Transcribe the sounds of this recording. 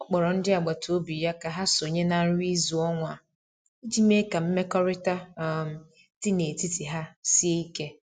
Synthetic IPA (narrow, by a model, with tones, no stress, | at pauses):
ɔ˦k͡pɔ˨ɾɔ˨n̩˦dɪ˦a˨ɡ͡ba˨to˦bi˨ja˦ka˨ɦa˦so˨ɲe˦na˨n̩˦ɾi˦zu˨ɔ˦ŋʷa˨ | i˦d͡ʒi˦me˦ka˨m̩˦me˦kɔ˦ɾɪ˦ta˦˨ | ti˦ne˨ti˦ti˨ɦa˦si˦e˦i˦ke˦